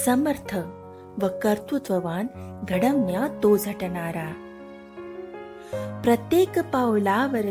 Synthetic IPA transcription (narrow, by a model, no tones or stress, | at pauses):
sɐməɾt̪ʰə | ʋɐkɐɾt̪ut̪ʋɐʋaːnɡʱɐɽɐmːjaːt̪oːd͡zʱɐʈɳaːɾaː | pɾɐt̪jeːkpawlaːʋəɾ